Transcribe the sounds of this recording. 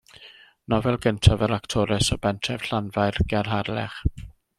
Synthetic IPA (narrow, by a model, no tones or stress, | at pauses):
nɔvɛlˠɡəntʰavəɾaktʰɔɾɛsəbɛntʰɛv̥ɬanvajrɡ̥ɛrɦarlɛ̰χ